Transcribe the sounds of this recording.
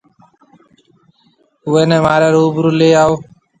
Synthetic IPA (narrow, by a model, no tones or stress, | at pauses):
ɦuːeːnẽːmaːɾeːɾuːbɾuːleːaːoː